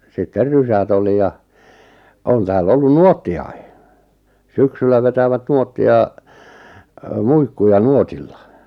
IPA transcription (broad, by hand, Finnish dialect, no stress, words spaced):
sitːer rysæt oli jɑ on tæːlː olːun nuotːiɑi syksylːæ ʋetæʋæt nuotːiɑ ø muikːujɑ nuotilːɑ